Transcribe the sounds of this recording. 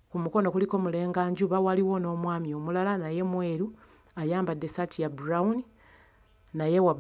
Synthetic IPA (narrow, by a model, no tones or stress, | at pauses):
kumuko̞no̞kuliko̞mule̞ːŋɡaːɲɟuβawaliwo̞no̞ːmwaːmjo̞ːmulalanaje̞mwe̞ɾu | ajaːmbadesatijabuɾauni | naje̞wa